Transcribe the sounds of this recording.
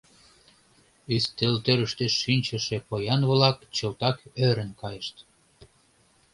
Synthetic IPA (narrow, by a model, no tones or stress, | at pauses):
yst̪elt̪øɾəʃt̪eʃːinʲt͡ɕə̆ʃĕpojɑnβlɑkt͡ɕəlt̪ɑkøɾə̆nkɑjəʃt̪